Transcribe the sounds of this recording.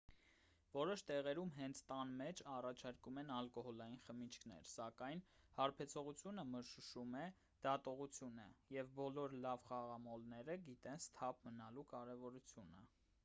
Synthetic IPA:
vɔɾɔʃt̪ɛʁɛɾumɦɛnt͡sʰt̪ɑnmɛt͡ʃʰɑrɑt͡ʃʰɑɾkumɛnɑlkɔɦɔlɑjinχəmit͡ʃʰkʰn̪ɛ̰ɾsɑkɑjnhɑɾpʰɛt͡sʰɔʁut͡sʰjunəməɾʃuʃumɛ | d̪̥ɑt̪ɔʁut͡sʰjunə̰jɛvbɔlɔɾlɑvχɑʁɑmɔlnɛɾəɡit̪ɛnst̪ʰɑp̚ʰmənɑlukɑɾɛvɔɾut͡sʰjunə̰

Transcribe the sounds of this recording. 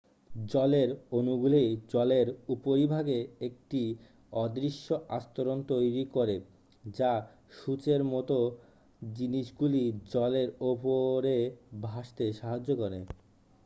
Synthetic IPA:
d͡ʑɔleɾonuɡulejd͡ʑɔleɾupoɾibʱaɡeek̚ʈi | ɔd̪ɾiʃːoʔast̪oɾont̪ojɾikoɾe | d͡ʑa | ʃut͡ɕeɾmɔt̪o | d͡ʑiniʃɡulid͡ʑɔleɾopoɾebʱaʃt̪eʃaɦad͡ʑːokoɾḛ

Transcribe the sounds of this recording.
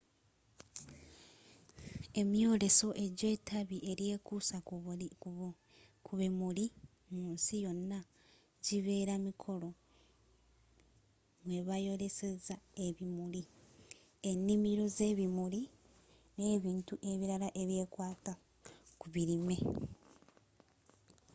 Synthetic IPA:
e̞mjo̞ːɾe̞so̞ʔe̞ɟe̞ːtʰaβiʔe̞ɾje̞ːkusa | kʰuβimuli | muːnsijo̞nːa | ɟiβe̞ːɾamikʰo̞lo̞ | mwe̞βajo̞ɾe̞se̞zae̞βimuli | enːimiɾo̞ze̞ːβimuɾi | neːβiːntuʔe̞βiɾalaʔeβje̞ːkwaːta | kuβiɾime̞

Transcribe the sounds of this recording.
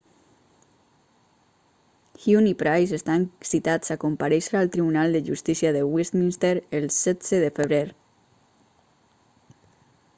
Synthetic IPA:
xjunipɾajsest̪ansit̪at͡sakompaɾɛʃɾalˠt̪ɾiβunalˠd̪əʒust̪isiaðəwist̪minst̪eɾelˠsɛdz̥eðəfəβ̞ɾeɾ

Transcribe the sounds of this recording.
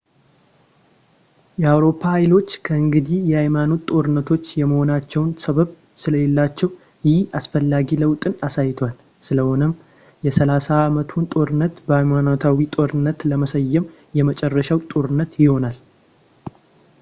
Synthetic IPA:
jɛawɾo̞pʰːahajlo̞t͡ʃːkʰəɨŋɡɨd̪ijɛhajmano̞t̪ʼo̞ɾɨnːət̪ʰo̞t͡ʃːjɛməho̞nat͡ʃːɛwnsʰəβəβ | sɨləjɛlːat͡ʃːɛw | jɪhasfəlːaɡiləwt̪ʼɨnasajɪt̪ʰoal | sɨləho̞nɨm | jɛsəlasaːmət̪ʰunt̪ʼo̞ɾɨnːət̪bəhajmanot̪ʰawit̪ʼo̞ɾɨnːət̪ləməsəjːɛm | jɛmət͡ʃʼɛrːəʃawt̪ʼo̞ɾɨnːət̪jɪho̞nal

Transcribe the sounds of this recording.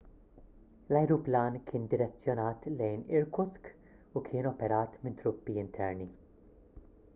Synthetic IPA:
lɐjɾuplɐːnkʰɪːnd̪ɪɾɛt͡sːjɔnɐːt̪lɛjnɪɾkʊsk | ukʰɪːnɔpɛɾɐːt̪mɪnt̪ɾʊpːiɪnt̪ʰɛɾni

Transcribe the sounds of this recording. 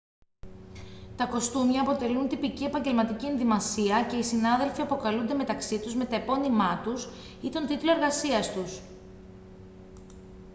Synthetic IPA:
t̪ɐko̞st̪umjɐːpo̞t̪e̞lunt̪ipicie̞pɐɲɟe̞lmɐt̪icie̞nðimɐsiɐce̞isinɐðe̞lfiɐpo̞kɐlund̪e̞me̞t̪ɐksit̪uzme̞t̪ɐepo̞nimɐt̪us | it̪o̞nt̪it̪lo̞e̞ɾɣɐsiɐst̪us

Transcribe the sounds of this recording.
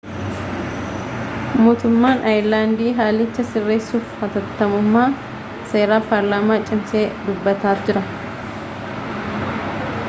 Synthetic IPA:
muːt̪ʊmːaːnʔɐjlaːnd̪iːɦaːlɪt͡ʃːɐsɪrːe̞ːsːuːfhɐt̪ɐt̪ːɐmʊmːaː | se̞ːɾaːpɐɾlaːmaːt͡ʃʼɪmse̞ːd̪ʊbːɐt̪aːt̪d͡ʒɪɾɐ

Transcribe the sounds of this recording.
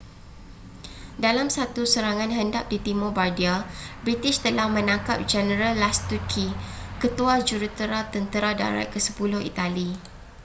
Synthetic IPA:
dalamsat̪usəɾaŋãnɦəndap̚dit̪imobardiabɾit̪ɪʃt̪əlahmə̃nãŋkap̚d͡ʒɛnəɾalːast̪ukʰikət̪uad͡ʒuɾut̪əɾat̪ənt̪əɾada̰ɾa̰kəsə̥pulʊhḭt̪ali

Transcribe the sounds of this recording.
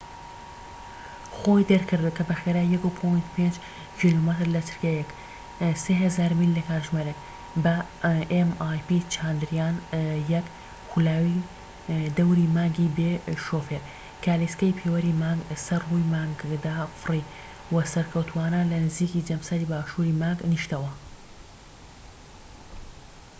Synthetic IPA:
xojd̪ɐɾkʰɨɾd̪ukɐbɐxeɾaːjjɐkupʰojnt̪pʰend͡ʒ | kʰilomɨt̪ɾlɐt̪ʰɨ̥ɾkajɛk | seːɦɐzaːɾmilːɐkaːɾʒmaɾek | bɐʔemaːjpit͡ʃʰaːnd̪ɨɾjaːnjɐk | kulaːwi | d̪ɐwɾimaːŋɡibeʃoːfeɾ | kʰaːliskɐjpʰewɐɾimaːɡsɐrːujmaːŋɡd̪afɨri | wɐsɐɾkʰɐwt̪ʰuaːnɐlɐnɨziːkid͡ʒɐmsɐɾibaːʃuɾimaːŋɡniʃt̪ɐwɐ

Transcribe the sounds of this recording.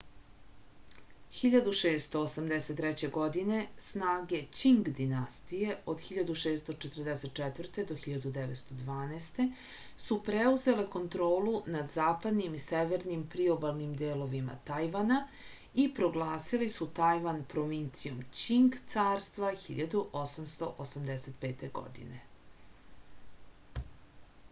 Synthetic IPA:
xiʎad̪uʃeːst̪oːsamd̪ese̞t̪ːɾɛt͡ɕe̞ɡo̞d̪ine̞snaːɡe̞t͡ɕiŋɡd̪inast̪ije̞o̞d̪xiʎad̪uʃeːst̪o̞t͡ʃet̪ərd̪ese̞t̪̚t͡ʃɛt̪vrt̪e̞d̪o̞xiʎad̪ud̪eʋet̪st̪o̞d̪ʋaːnɛst̪e̞ | supɾeuze̞le̞ko̞nt̪ɾo̞ːlunad̪zaːpad̪nimiseʋeɾnimpɾiobalˠnimd̪eːlo̞ʋima̰t̪ajʋana | ipɾo̞ɡlˠaːsilisut̪ajʋanpɾo̞ʋint̪sijo̞mt͡ɕiŋɡt̪saːɾst̪ʋaxḭʎad̪uʔosamst̪o̞ʔosamd̪eset̪peːt̪eɡo̰d̪ḭnḛ

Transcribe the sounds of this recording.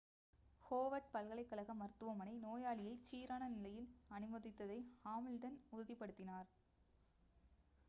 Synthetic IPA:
hoːʋɐʈ̚pɐlɣɐɭɐɪkːɐɭɐɣɐmɐɾɯt̪ːɯʋɐmɐnɐɪnoːjaːɭɪjɐɪt͡ʃːiːɾaːnɐnɪlɐjɪlɐnɯmɐðɪt̪ːɐðɐɪhaːmɪlɖɐnʊɾɯðɪpːɐɽɯt̪ːɪnaːɾ

